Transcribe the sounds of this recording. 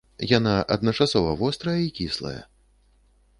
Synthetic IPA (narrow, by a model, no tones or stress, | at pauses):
janaʔɐd̪nɐt͡ʂasɔvɐvɔst̪ɾɐjɐikʲislˠɐ̰jɐ̰